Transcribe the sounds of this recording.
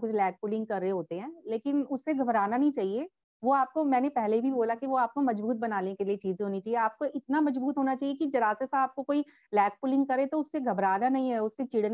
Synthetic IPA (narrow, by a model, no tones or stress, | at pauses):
kʊt͡ʃʰlɛːk̚pʊlɪ̃ŋɡkɐɾːeɦoːt̪eɦɛ̃ːleːkɪnʊsːeɡʱɐbɾaːnanɐɦĩt͡ʃaːɦie | ʋoaːp̚komɛ̃ːnepɛɦleibʱiboːlakiʋoaːp̚komɐd͡ʒbuːt̪̚bɐnaːnekeliet͡ʃiːzẽɦoːnit͡ʃaːɦieaːp̚koʔɪt̪namɐd͡ʒbuːt̪ɦoːnat͡ʃaːɦiekid͡ʒɐɾaːsesaaːp̚kokoːi | lɛːk̚pʊlɪ̃ŋɡ̚kɐɾẽt̪oʊsːeɡʱɐbɾaːnanɐɦĩɦɛʊsːet͡ʃiɽn